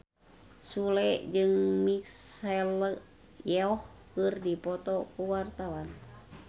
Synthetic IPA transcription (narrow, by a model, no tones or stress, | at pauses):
sulɛʔd͡ʒɨŋmiksɛl | jɛɔh | kɨrdipɔt̪ɔkuwart̪awan